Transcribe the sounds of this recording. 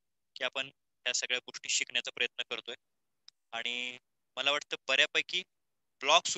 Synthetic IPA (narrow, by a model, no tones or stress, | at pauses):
kiːapəɳ | ɦjasəɡɭjaɡoʂʈiːɕikɳjat͡sapɾəjət̪nəkəɾt̪oj | aɽ̃i | məlaʋaʈt̪əːbəɾjapajkiː | blɔks